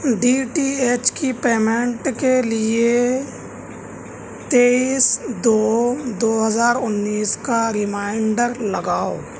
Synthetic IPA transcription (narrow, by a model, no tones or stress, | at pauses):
ɖiːʈieːt͡ʃkipeːmẽɳʈkelɪe | t̪eːisd̪oːd̪oːɦəzaːɾʊnːiːskaɾɪmaːɪɳɖəɾləɡaːo̰